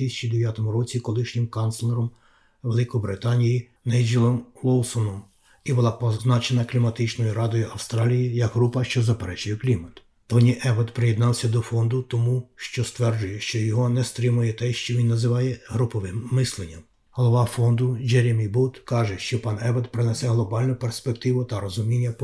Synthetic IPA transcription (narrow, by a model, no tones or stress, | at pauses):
isʲɐ̥t͡ʃid̪eʋʲjat̪ɔmʊɾɔt͡sʲikɔlˠɪʃnʲɪmkɑnt̪slˠeɾɔm | ʋelˠɪkɔbɾɪt̪ɑnʲiji | nɛjd͡ʒilˠɔmʋɔlˠsɔnɔm | ibʊlˠɑpɔznɑt͡ʃenɐklʲimɐt̪ɪt͡ʃnɔjʊɾɑd̪ɔjʊʔɐwst̪ɾɑlʲijijɐɡɦɾupɐʃt͡ʃɔzɐpeɾɛt͡ʃʊjɛklʲimɐt̪ | t̪ɔnʲiʔɛʋɐd̪pɾɪjed̪nɑwsʲɐd̪ɔfɔnd̪ʊt̪ɔmuʃt͡ʃɔst̪ʋɛrd͡ʒʊjɛʃt͡ʃɔjɔɦɔnɛst̪ɾɪmʊjɛt̪ɛʃt͡ʃɔʋʲinːɐzɪʋɑjɛɦɾʊpɔʋɪmːɪslˠenʲːɐm | ɦɔlˠɔʋɑfɔnd̪ʊd͡ʒɛɾʲemʲibut̪kɑʒɛʃt͡ʃɔpɑnɛʋɐd̪pɾɪnɛsɛɦlˠɔbɑlʲnʊperspek̚t̪ɪʋʊt̪ɐɾɔzʊmʲinʲːɐp